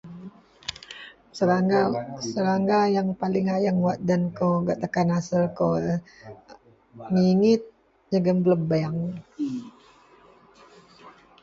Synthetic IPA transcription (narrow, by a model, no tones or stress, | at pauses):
səɾaŋɡasəɾaŋɡajaŋpalɪŋajaŋwaʔ̚dankoɡaʔt̪əkanasəlko | ŋiŋɪt̪̚ | d͡ʒəɡəmbləbaaŋ